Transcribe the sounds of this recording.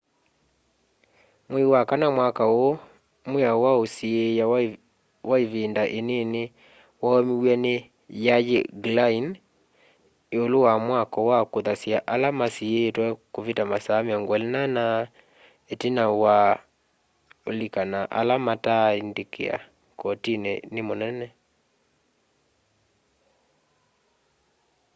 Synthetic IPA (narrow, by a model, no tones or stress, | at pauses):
mwewakanamwakao | mweawaosieja | waevendaʔenene | wamiwɛne | jajḛɡlain | eolowamwakɔwakoðasjaʔalamasietwɛkovitamasameaŋɡwalinana | etinawa | olikanaʔa̰lamataindekʰḛa̰ | kɔtinɛ̰nemonɛnɛ